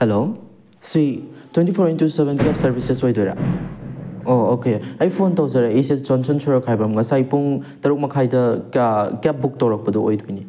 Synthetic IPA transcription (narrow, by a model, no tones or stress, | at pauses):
helo | sitwentipʰoɾentusebenkep̚sɐɾbʱisesojdojɾa̰ | oːkeajpʰontawsɐɾaesest͡ʃɔnsʰɔnsʰoɾɐkʰajbɐmŋɐsajpuŋtɐɾuk̚mɐkʰajdɐ | kep̚buk̚tɐwɾɐk̚pɐduojdojni